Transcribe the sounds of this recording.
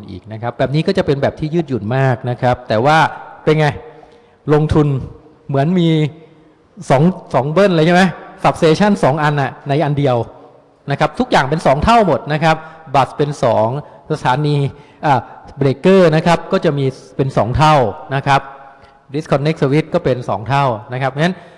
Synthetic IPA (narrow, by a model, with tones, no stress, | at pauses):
nʔḭː˨˩k̚na˦˥kʰa˦˥p̚bɛː˨˩p̚niː˦˥kɔː˥˩t͡ɕa˨˩pe˧nbɛː˨˩p̚t̪ʰiː˥˩jɯː˥˩t̪̚ju˨˩t̪̚maː˥˩k̚na˦˥kʰɾa˦˥p̚t̪ɛː˨˩waː˥˩pe˧nŋa˧j | lo˧ŋt̪ʰu˧n | mɯ˩˦ənmiː˧ | sɔː˩˦ŋsɔː˩˦ŋbɤ˥˩nʔla˧jt͡ɕʰɛ˥˩ma˦˥jsa˨˩p̚seː˧t͡ɕʰa˥˩nsɔː˩˦ŋʔa˧nʔa˨˩na˧jʔa˧ndi˧əw | na˦˥kʰa˦˥p̚t̪ʰu˦˥k̚jaː˨˩ŋpe˧nsɔː˩˦ŋt̪ʰa˥˩wmo˨˩t̪̚na˦˥kʰa˦˥p̚ba˨˩spe˧nsɔː˩˦ŋ | sa˧t̪ʰaː˩˦niː˧ | ʔaː˨˩bleː˧˩kːɤː˥˩na˦˥kʰa˦˥p̚kɔː˥˩t͡ɕa˨˩miː˧pe˧nsɔ̰ː˩˦ŋt̪ʰa˥˩wna˦˥kʰɾa˦˥p̚ | di˦˥skʰɔ˧nːe˦˥k̚sə˧wi˦˥t̪̚kɔː˥˩pe˧nsɔ̰ː˩˦ŋt̪ʰa˥˩wna˦˥kʰa˦˥p̚a˦˥n